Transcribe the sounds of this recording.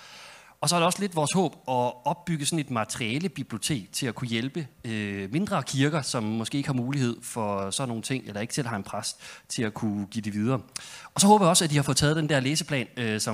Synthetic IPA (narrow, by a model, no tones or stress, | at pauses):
ɒ̽sɒæɐɾ̥eɒ̽sle̝d̥ʋɒːshɔ̰ːb̥ɒ̽ɒ̽b̥ːyɡ̥əsɒ̽ne̝d̥mɑ̈t͡sʰʁiiɛləb̥ib̥lio̝t͡sʰe̝̰ːɡ̥̚t͡sʰe̝lækʰujelb̥əøme̝nd̥ʁɐkʰiɐɡ̥ɐsɒ̽mːɒsɡ̥e̝ːeɡ̥hɑ̈muːlihe̝ð̞̰ˠfɒ̽sɒ̽no̝ːn̩t͡sʰe̝ŋ̰elɐe̝ɡ̥t͡sʰe̝lɦɑ̈e̝npʰʁast͡sʰe̝lækʰuɡ̥ḭːd̥e̝ʋið̞ˠɐːɒ̽sɒɦoːb̥ɐjiɒ̽sæd̥ihɑ̈fo̽ð̩ˠt͡sʰɛːð̞̩ˠd̥end̥æɐleːsəpʰlɛ̰ːnøsɒ̽